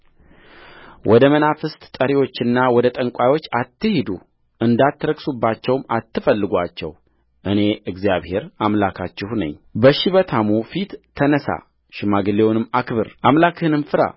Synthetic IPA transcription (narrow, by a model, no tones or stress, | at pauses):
wʔɔd̪əmənafɨst̪ʼt̪ʼəɾiwo̞t͡ʃːɪnːawɔd̪ət̪ʼəŋkʷʼajwo̞t͡ʃːat̪ːɨhid̪u | ʔɨnd̪at̪ːɾəksubːat͡ʃːɛwmat̪ːɨfəlːɨɡʷa̰t͡ʃːɛ̰w | ʔɨne̞ɨɡzijaβhe̞ɾamlakʰat͡ʃːɪhnə̰ɲːbəʃiβət̪ʰamufit̪ʰːənəsa̰ | ʃɪmaɡɨlewnɨmːakβɨɾʔamlakhɨnɨmfɨɾa̰